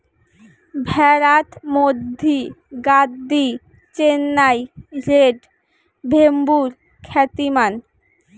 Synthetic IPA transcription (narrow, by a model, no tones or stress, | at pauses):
bʱɛɾat̪mod̪ʱːiɡad̪ːi | t͡ɕenːajd͡ʑeʈ | bʱembuɾ | kʰɛt̪iman